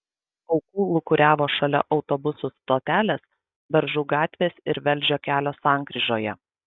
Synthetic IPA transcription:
ɒʊkuːlˠʊkʊɾʲæːʋoːʃɐlʲɛ̰ʔɒʊt̪obʊsʊst̪oːt̪ʲæːlʲes | bʲɛɾʒʊːɡɑːt̪ʲʋʲeːsɪɾʋʲɛlʲˑd͡ʒʲoːkʲæːlʲoːsɑˑŋkɾʲɪʒoːjɛ

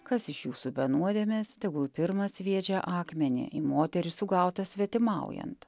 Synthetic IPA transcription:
kɐsɪʃjuːsubʲɛnuɔd̪ʲeːmʲeːst̪ʲɛɡʊlˠpʲɪɾmɐsʋʲiɛd͡ʒʲɛʔɑːkmʲɛnʲɪ̰ʔɪmoːt̪ʲɛɾʲɪsʊɡɑˑʊt̪ɐsʲʋʲɛt̪ʲɪmɑˑʊjɛ̰nt̪

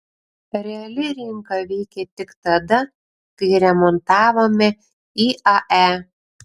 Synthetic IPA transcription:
ɾʲɛɐlʲɪɾʲɪŋkɐʋʲɛɪkʲɛt̪ʲɪkt̪ɐd̪ɐ | kɐɪɾʲɛmɔnt̪ɑːʋoːmʲɛ | iːɐʔæː

